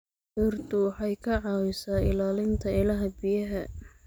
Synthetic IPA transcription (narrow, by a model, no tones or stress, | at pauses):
ʊrt̪ʊwɑħɑjkʰɐʕɑːwɪsaːɪ̰laːlɪnt̪ʰɐɪlɐɦɐbɪjɐɦɐ